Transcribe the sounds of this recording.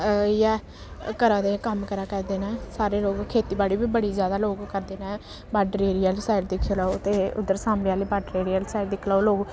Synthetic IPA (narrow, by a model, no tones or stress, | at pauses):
jɛː | kəɾaːd̪eːkəmkəɾaːkɛːd̪eːnɛ̃ːsaːɾeːloːɡkʰeːt̪iːbaːɽiːbiːbəɽiːzjaːd̪aːloːɡkəɾd̪eːnɛ̃ː | baːɖɾeːɾiːəlsaːɪld̪ɪkʰːoːlaːot̪eːʊ̰d̪əɾsaːmɽejaːliːbaːɖɾeːɾiːəlsaːɪld̪ɪkʰlaːoːloːɡ